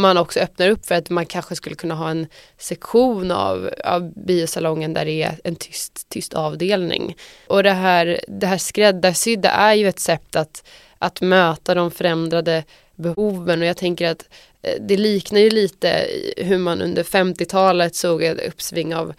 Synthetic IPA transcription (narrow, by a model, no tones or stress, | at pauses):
manɔksɔœpnaɾɵpːfœɾat̪mankʰanɧəskɵlːəkʰɵnːaɦɑːɛn | sɛkɧuːna̰va̰vbiːʊsalɔŋːənd̪æ̰ɖɛːɛnt̪ʰʏst̪ʰːʏst̪ʰɑːvd̪eːlnɪ̰ŋ | ʔɔd̪ɛɦæːɾd̪ɛɦæːʂkɾɛd̪ːasʏd̪ːa̰ʔæɾjɵɛt̪sɛp̚t̪ːat̪ | ʔat̪møːt̪ad̪ɔmfœɾɛmd̪ɾad̪ə | bɛhuːvənɔjɑːt̪ʰɛŋkəɾat̪ | d̪ɛliːknajɵliːt̪ə̰ɦɵmanʔɵ̰nd̪əɾfɛmt̪ɪt̪ʰɑːlət̪soːɡaɵ̰pːsvɪŋːaa̰v